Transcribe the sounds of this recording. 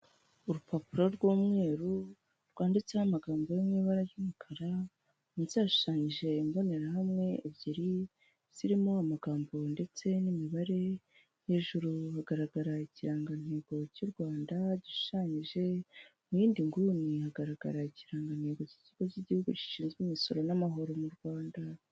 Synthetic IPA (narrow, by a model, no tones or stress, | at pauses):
uɾupapuɾo̞ɾɡwuːmŋe̞ːɾu | ɾɡwaːndit͡sehamaɡaːmbo̞jomŋiːβaɾajumukʰaɾa | mizaːʃu̥ʃaːɲiʒe̞imbo̞ne̞ɾahamŋe̞ːβɟiɾi | z̥iɾimoamaɡaːmbo̞nde̞t͡se̞nimiβaɾe̞ | je̞ʒuɾuhaɡaɾaɡaɾaiciɾaːŋɡan̥he̞ːɡo̞cuɾɡwaːndaɟiʃu̥ʃaːɲiʒe̞ | mujiːndiŋɡunihaɡaɾaɡa̰ɾaiciɾaːŋɡan̥he̞ːɡo̞ciciɡociɟihuɡuci̥ʃiːnzɡimiso̞ɾonamaɦo̞ɾo̞muɾɡwaːnda